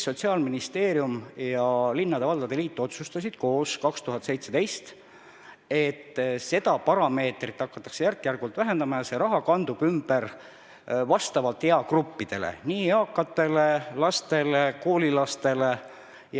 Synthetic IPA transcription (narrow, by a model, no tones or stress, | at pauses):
sːo̞t̪siɑːlminist̪e̞ːɾjumjɑlinːɑd̪e̞vɑld̪ɑd̪e̞liːt̪ːˑo̞t̪sust̪ɑsʲid̪̥̚ko̞ːskɑkst̪uɦɑt̪se̞jt̪set̪e̞jst̪ | e̞t̪ːse̞d̪ɑpɑɾɑme̞ːt̪rit̪ːˑɑkːɑ̥t̪ːˑɑ̥kse̞jærkːˑjærɡult̪væɦe̞nd̪ɑmɑjɑseɾɑɦɑkɑnd̪̥ub̥ymb̥e̞r | vɑst̪ɑvɑlt̪heɑkrupːid̪̥e̞̰lḛniːeɑːkːˑɑt̪ːe̞le̞lɑst̪e̞le̞ko̞ːlilɑst̪e̞le̞ | j